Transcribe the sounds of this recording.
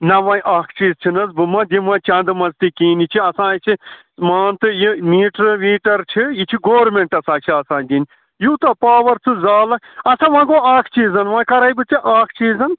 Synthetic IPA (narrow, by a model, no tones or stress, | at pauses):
nɐʋɐ̃ːʔaːkʰt͡ʃiːzt͡ʃʰinɐzbɨmɐ̃d̪imɐ̃t͡ʃand̪ɨmɐzt̪ikiːnit͡ʃʰiɐsãːit͡ʃʰi | maːnt̪ɨjimiːʈɾʋiːʈɐɾt͡ʃʰijit͡ʃʰiɡoːɾmeɳʈɐsãːt͡ʃʰiɐsãːnd̪inʲ | juːt̪ɐpaːʋɐɾt͡sʰɨzaːlɐkɐsãʋãːɡoːaːkʰt͡ʃiːzɐnʋãːkɐɾɐjbɨt͡siʔaːkʰt͡ʃiːzɐn